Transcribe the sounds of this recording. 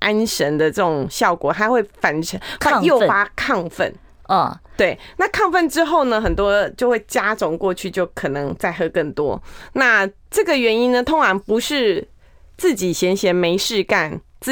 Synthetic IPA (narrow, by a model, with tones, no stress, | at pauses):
ʔa˥nʂə˧˥nd̪ə˧ʈ͡ʂɤə˥˩ʈ͡ʂʊ˨˩ŋɕjɑ˥˩ʊkwɔ˨˩xa˧˥ɪxwe˥˩ɪfa˨˩nʈ͡ʂʰə˧˥ŋa˥˧˥jo˥˩ʊfa˥kʰɑ˥˧ŋfə̰˥˩n˨˩ | t̪we˥˩ɪna˥˧kʰɑ˥˧ŋfə˥˩nʈ͡ʂɻ̩˥xo˥˩ʊnə˨xə˨˩nt̪wɔ˥t͡ɕjo˥˧ʊxwe˥˩ɪt͡ɕja˥ʈ͡ʂʊ˨˧˥ŋkwɔ˥˧t͡ɕʰy˥˧t͡ɕjo˥˩ʊkʰɤ˨˩nɤ˧˦ŋt͡sa˥˩ɪxɤ˥kə˥˩ŋt̪wɔ̰˦˥na˥˧ | ʈ͡ʂɤ˥˩ɡə˩ɥɛ˧˥ni˥nnə˧t̪ʰʊ˥ŋʂɑ˧˥ŋpu˧˥ʂɻ̩˥˧ | t͡sɹ̩˥˩t͡ɕi˨˩ɕjɛ˧˥nɕjɛ˧˥nme˧˥ɪʂɻ̩˥˧ka˥˩nt͡s